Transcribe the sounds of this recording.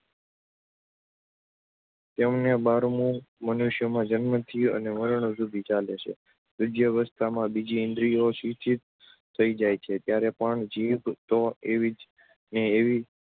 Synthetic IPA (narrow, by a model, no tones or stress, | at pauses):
t̪emnebaɾmũmənuʃjəmãd͡ʒənmət̪ʰiə̰neməɾəɳ̃osubʱit͡ʃaleʃʰḛ | bɪd͡ʒjəʋəst̪ʰamãbid͡ʒiɪ̃nd̪ɾijosʋit͡ʃʰit̪̚ | t̪ʰːəid͡ʒajt͡ʃʰet̪jaɾepəɳd͡ʒibt̪oeʋid͡ʒ | neːʋi